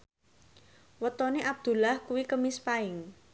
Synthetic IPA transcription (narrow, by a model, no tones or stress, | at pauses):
wət̪ɔneʔab̚d̪̥ṳlahkuwikəmispaɪŋ